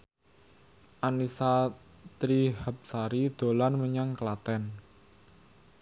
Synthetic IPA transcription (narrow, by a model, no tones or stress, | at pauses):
ʔanisa | t̪ɾihap̚saɾid̪̥o̤lanməɲaŋklat̪ɛn